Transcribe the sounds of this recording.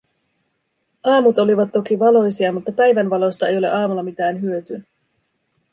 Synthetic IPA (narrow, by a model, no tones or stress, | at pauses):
ɑːmut̪o̞liʋɑt̪ːo̞kiʋɑlo̞jsiɑmut̪ːɑpæjʋænʋɑlo̞st̪ɑe̞jo̞le̞ʔɑːmulːɑmit̪æːnɦyøt̪y